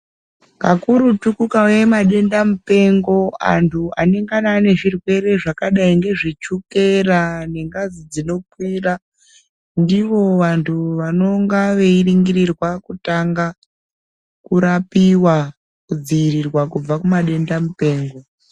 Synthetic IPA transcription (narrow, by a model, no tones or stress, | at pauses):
kakuɾutukukawe̞maɗe̞ndamupe̞ŋɡo̞a̰ntʰua̰ne̞ŋɡanane̞ʐirwe̞ɾe̞ʐakaɗaiŋɡe̞ʐit͡ʃuke̞rane̞ŋɡazid͡zino̞kwiːra | ndiʋo̞ʋantʰuʋano̞ŋɡaʋe̞iriŋɡirirwakutaŋɡa | kuɾapiwa | kud͡ziːrirwakub͡vakumaɗe̞ndamupe̞ːŋɡo̞